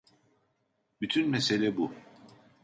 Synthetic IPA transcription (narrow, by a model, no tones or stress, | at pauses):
byt̪ʰynmese̞lʲɛbu